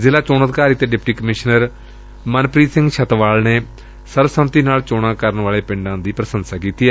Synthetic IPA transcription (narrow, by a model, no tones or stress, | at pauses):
zɪlaːt͡ʃoːnəd̪kaːɾiːt̪eːɖɪpʈiːkəmɪʃnəɾ | mənpɾiːsɪ̃ŋɡʃət̪ʋaːlneː | səɾʋəsəmt̪iːnaːlt͡ʃoːɽ̃ãːkəɾənʋaːleːpɪ̃ɳɖãːd̪iːpɾəsənsaːkiːt̪iːɛː